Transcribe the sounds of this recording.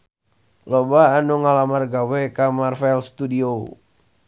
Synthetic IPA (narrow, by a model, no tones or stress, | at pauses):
lobaːnuŋalamarɡawɛkamarfaɛlst̪udio